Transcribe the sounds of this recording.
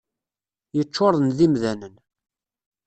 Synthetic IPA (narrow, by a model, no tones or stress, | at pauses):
jət͡ʃːoɾˤnðimðænən